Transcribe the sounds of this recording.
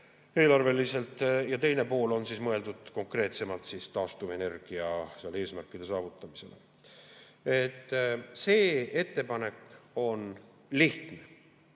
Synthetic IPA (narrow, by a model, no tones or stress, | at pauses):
e̞ːlɑrve̞lise̞lt̪ːˑjɑt̪e̞jne̞poːlo̞nsismɤe̞ld̪̥ud̪̥ko̞ŋkre̞ːt̪se̞mɑlt̪siːst̪ɑːst̪uve̞ne̞rɡ̥iɑseɑlee̞ːsmærkˑːid̪e̞sɑːvut̪ːˑɑmise̞lḛ | e̞t̪ːˑse̞ːe̞t̪ːe̞pɑne̞kːo̞n | liht̪ne